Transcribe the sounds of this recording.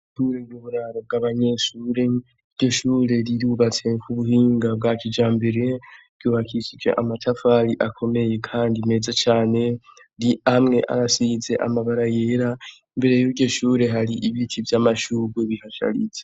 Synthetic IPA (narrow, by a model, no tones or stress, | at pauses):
ʃuːɾeɡuβuɾaɾo̞b̚ɡaːβaɲe̞ːʃuːɾe̞ | iɾɟo̞ʃuːɾe̞ɾiɾuβat͡se̞kʰuβuɦiːŋɡab̚ɡacid͡ʒaːmbe̞ɾe̞ɾɟuːβakʰisid͡ʒe̞̰ʔamatʰafaɾiʔakʰo̞me̞je̞kʰaːndime̞ːzat͡ʃaːne̞ | ɾiamŋe̞̰ʔa̰ɾasiːze̞ʔa̰maβaɾaje̞ːɾa | mbe̞ɾe̞juɾɟo̞ʃuːɾe̞ɦaɾiʔiβitivjaːmaʃuːɾweβihaʃa̰ɾḭt͡se